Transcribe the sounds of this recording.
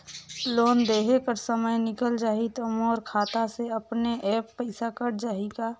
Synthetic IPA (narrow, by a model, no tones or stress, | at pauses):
loːnd̪eːɦekəɾsəməjnɪkəld͡ʒaːɦit̪omɔːɾkʰaːt̪aseəpneʔɛːpːəɪsakəɽd͡ʒaːɦiɡa